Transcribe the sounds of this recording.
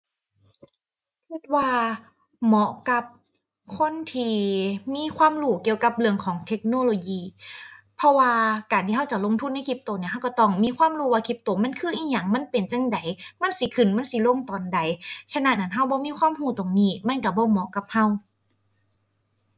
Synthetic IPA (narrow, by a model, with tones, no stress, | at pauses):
kʰi˧˩t̪̚waː˧ | mɔ˧˥ʔka˧˦p̚ | kʰo˧˥˨nt̪ʰiː˧˩miː˧˥˨kʰwaː˧˥˨mɾuː˧˩ki˧˨əwka˧˦p̚lɯ˧əŋkʰɔː˨˦ŋt̪ʰe˧˥k̚noː˧˨lo˧jiː˧˩ | pʰɔ˧waː˧kaː˨˩nt̪ʰiː˧ɦa˧˥˩wt͡ɕa˧˩ʔ̚lo˧˥˨ŋt̪ʰu˧˥˨nːa˧˥˨kʰi˧˦p̚t̪oː˨˩˦ni˧˨ɦa˧˥˩wka˧˩t̪ɔ˧˩ŋmiː˧˥˨kʰwaː˧˥˨mɾuː˧˩waː˧kʰi˧˥p̚t̪oː˨˩ma˧˥˨nkʰɯː˧˥˨ʔiː˧˩ɲaː˧˩ŋma˧˥˨npe˨nt͡ɕa˧˨ŋda˨˩jma˧˥˨nsi˧˦kʰɯ˧˩nma˧˥˨nsi˧˦lo˧˥˨ŋt̪ɔː˨˩nda˨˦jt͡ɕʰa˧na˧˩na˨˧˦nɦa˧˩wbɔː˧˦miː˧˥˨kʰwaː˧˥˨mhuː˧˩t̪o˨˩ŋniː˧˩ma˧˥˨nka˧˩bɔː˧˦mɔ˧˥ʔka˧˦p̚ha˧˩w